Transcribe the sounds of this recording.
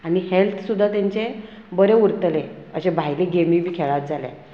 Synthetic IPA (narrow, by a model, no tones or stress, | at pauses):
anihelt̪ʰsud̪ʱːat̪jaɲt͡ɕe | bəɾeuɾt̪leəɕebʱajleɡemibʱiːkʰeɭat̪̚d͡zaljḛ̃